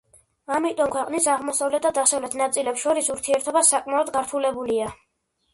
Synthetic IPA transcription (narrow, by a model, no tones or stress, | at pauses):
amit̪ʼɔmkʰwɛqʼnisaʁmɔsavlɛt̪̚ʰd̪ad̪asavlɛt̪ʰnat̪sʼilɛpsʃɔɾisuɾt̪ʰiɛɾt̪ʰɔbasːakʼmaɔd̪ɡaɾt̪ʰulɛbulia